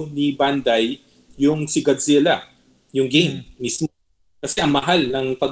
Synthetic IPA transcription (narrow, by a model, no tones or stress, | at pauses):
niband̪ajː | ʊŋsɪɡɐd̪zɛla | jʊŋɡejmːism | kɐsɛʔɐŋmɐɦalnɐŋpɐɡ